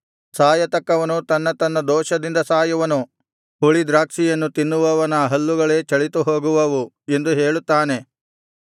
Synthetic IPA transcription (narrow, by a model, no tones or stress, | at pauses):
saːjɐt̪ɐkːɐʋɐnut̪ɐnːɐt̪ɐnːɐd̪ɔːʃɐd̪ind̪ɐsaːjɐʋɐnu | ɦuɭid̪ɾaːkʂijɐnːut̪inːuʋɐʋɐnɐɦɐlːuɡɐɭe̞ːt͡ʃɐɭit̪uɦoːɡuʋɐʋu | e̞nd̪uɦeːɭut̪ːaːne̞